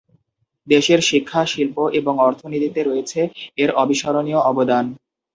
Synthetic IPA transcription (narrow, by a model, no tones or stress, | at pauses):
d̪eʃeɾʃikʰːaʃilpoʔeboŋɔɾt̪ʰonit̪it̪eɾojet͡ɕʰeeɾɔbiʃɔɾonioʔɔbod̪an